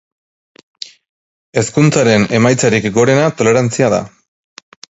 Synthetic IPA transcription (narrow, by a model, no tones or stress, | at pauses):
e̞skunt͡saɾe̞ne̞majt͡saɾikɡo̞ɾe̞nat̪o̞le̞ɾant͡siaða̰